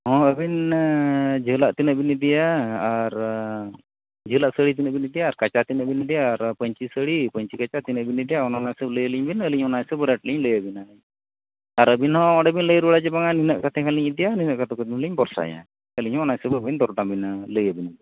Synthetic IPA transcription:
ɦɔ̃əbin | d͡ʒəɦlaʔt̪inəʔbinid̪ijaːɾ | d͡ʒəɦlaʔsəɽit̪̬inəʔbinid̪ijaːɾkat͡ʃat̪inəʔbinid̪ijaːɾpəɲt͡ʃisəɽipəɲt͡ʃikat͡ʃat̪inəʔbinid̪ijaɔnɔnajsəbləjəliɲbinəliɲɔnajsəbɾɛʈliɲləjəbinaj | aɾəbinɦɔ̃ɔɽɛbinləjəɾuɽad͡ʒɛbaŋaninəʔkat̪ʰɛkʰaliɲid̪ijaninəʔkat̪ʰɛkat̪ɛliɲbɔɾsa̰jã̰ | əliɲhɔ̃ɔnaɲsəbbind̪ɔɾʈambinaləjəbinabi

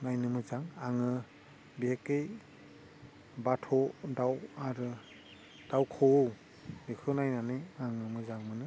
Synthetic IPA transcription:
najnɯmɯzaŋaŋɯ | bihekej | batʰɔdawaɾɯ | d̥awkʰow | bekʰɯnajnaniaŋɯmɯzaŋmɯnɯ

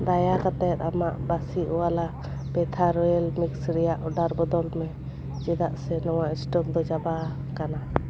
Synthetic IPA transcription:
d̪ajakat̪ɛt̪amaʔbasiʔɔwala | bɛt̪ʰaɾɔɛlmiksɾɛjaʔɔɖaɾbɔd̪ɔlmɛ | d͡ʒɛd̪aʔsɛnɔwaʔisʈɔp̚d̪ɔd͡ʒaba | kana

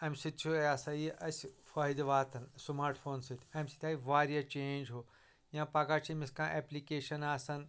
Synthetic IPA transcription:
ɐmʲsit̪t͡ʃʰuaːsɐiʔɐsfɐːjd̪ʋaːt̪ʰɐnsmaːɾʈʰfʰoːnsit̪ʰɐmʲsi̥t̪ʰʲaːiʋaːɾijɐt͡ʃeːnʲd͡ʒɦo | jãːpaɡat͡ʃʰimiskãːʔeplikeːʃɐnaːsɐn

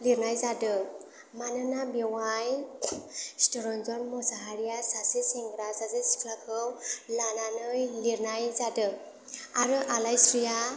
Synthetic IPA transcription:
liɾnajzadɯ | manɯnabewaj | stɔɾɔnzɔnmɔsaɦaɾijasasiseŋɡɾazazɯsi̥kʰlakʰɯwlananɯjliɾnajzadɯ | aɾɯʔalajsɾija

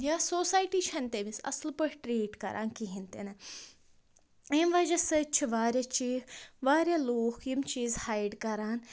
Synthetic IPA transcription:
jaːsoːsaːjʈiːt͡ʃʰɐnt̪eːmisɐ̰slpəɽʲʈɾiːʈkɐ̰ɾʔa̰ːnkiɦint̪ḛnɐ | eːmʋaːd͡ʒɐsɐt͡ʃʰiʋaːɾjaːt͡ʃiːʋaːɾʲjaːloːkʰjimt͡ʃiːzhaːjɖkɐɾaːn

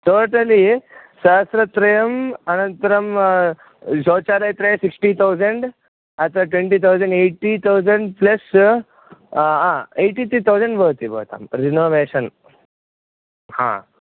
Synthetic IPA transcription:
ʈoʈəlisaɦsɾət̪ɾəjəmənənt̪ɾəm | d͡ʑot͡ɕaɾajt̪ɾəjsiksʈit̪ʰawd͡ʑəɳɖ | at̪aʈʋeɳʈiːt̪ʰawd͡zəɳɖeʈːit̪ʰawd͡zəɳɖpləs | ɦãeʈiːt̪ɾiːt̪ʰawd͡zəɳɖbəɦt̪iːbə̰ɦt̪a̰mɾinoʋeɕən | hã̰

